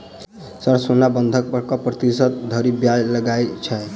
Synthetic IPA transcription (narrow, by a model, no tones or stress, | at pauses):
səɾsonabənd̪ʱək̚pəɾkɔpɾət̪isət̪̚d̪ʱəɾibjajləɡajt͡ʃʰɛ